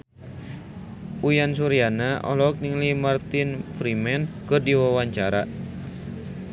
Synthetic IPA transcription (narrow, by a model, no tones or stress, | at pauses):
ujansuɾianaʔɔ̰lɔk̚niŋlimart̪ɪnfɾimɛnkɨrdiwawaɲt͡ʃaɾa